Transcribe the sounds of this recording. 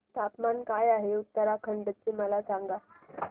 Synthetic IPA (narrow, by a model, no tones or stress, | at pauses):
t̪ʰap̪mankajaɦeut̪ːəɾakʰəɳɖət͡ɕeməlasaŋɡa